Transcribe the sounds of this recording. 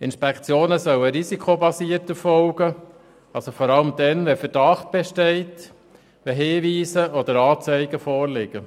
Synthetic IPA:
ɪnʃpɛkʰt͡sjoːnəsœwəɾisikʰobɑsiəɾtəfɔʊɡ̥ə | ɑlsofɔɾɑləmd̪ɛnʋɛfəɾd̥ɑχt̚b̥ɛʃtɛɪt | ʋɛɦeːʋiːsəʔɔd̪əɾɑːt͡sɛɪɡ̥əfɔːɾlɪɡ̥ə

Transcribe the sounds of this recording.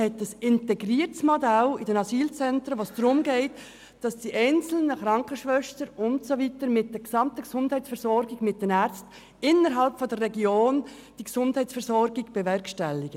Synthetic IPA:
hɛtəsɪntɛɡɾiːəɾtsmodɛlɪd̥ɛnɑsiːlt͡sɛntɾəʋoːsd̥ɾʊmɡɛɪt | d̥ɑsd̥iʔɛɪnt͡sl̩nəχɾɑŋkəʃʋœʃtəɾʊntsovitəɾmɪt̚d̥ɛɡsɑmtəɡ̥sʊnd̥hɛɪt͡sfɛɾsɔɾɡɪɡmɪt̚d̥ɛnæːɾt͡st | ɪnəɾɦɑlpfɔdərːɛɡioːn | d̥iɡsʊnd̥hɛɪt͡sfɛɾsɔɾɡɪɡb̥evɛɾkʃtɛlːɪɡə

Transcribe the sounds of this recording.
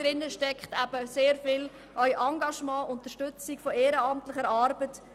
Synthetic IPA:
ɾɪnːəʃtɛkχtæb̥əseːɾfɪl | œjʔɑŋɡɑʃmɑ̃ːʔʊntəʃtʏt͡sikfɔɛːɾəɑmtləχəɾɑːɾbət

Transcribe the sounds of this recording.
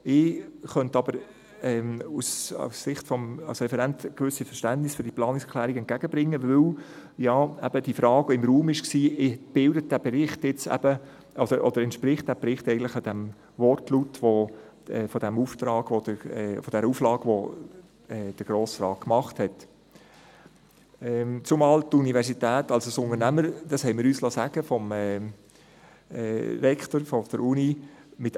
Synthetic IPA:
ɪχœntɑbəɾ | ɛːmusɑ̰sːɪχtfɔmɑ̰lsɾɛfɛɾæntkʋʏsːifəʃtæntnɪsfyːɾd̥iplɑːnɪkskʰlæːɾiɡɛnt̚ɡ̥æɡ̥əbɾɪŋːəvʏw | jɑːæb̥əd̥ifɾɑːɡ̥ɪmɾuːmɪʃksiːɪb̥ɪldət̚d̥æbeɾɪχtjɪt͡sæ̰b̥ə | ʔɔd̥əɾʔɔd̥̪əɾɛntʃpɾɪχt̚d̥æbɾɪχtɛɪɡəntlɪχɑd̥̪æm | vɔrtlutʋo | ɛfɔd̥æmuːftɾɑːɡ̥ʋod̥əfɔd̥ɛɾəuːflɑːɡ̥ʋo | ɛːd̥əɾɡ̥ɾoːsɾɑːkmɑχthɛt | ɛːt͡sʊmɑːltunivɛɾsitæːtɑlsosʊnənæməɾd̥ɑshɛɪmɪːɾyːslɑsæɡ̥əfɔmɛː | ɛːɾɛktoɾfɔd̥əɾunimɪt

